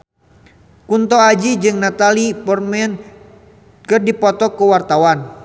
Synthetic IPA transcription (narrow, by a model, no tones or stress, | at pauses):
kunt̪ɔad͡ʒid͡ʒɨŋnat̪alipɔrmɛn | kɨrdipɔt̪ɔkəwart̪awan